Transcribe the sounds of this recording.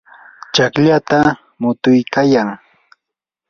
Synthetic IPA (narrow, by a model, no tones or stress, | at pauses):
t͡ʃakʎat̪a | mʊt̪ʊjkajaŋ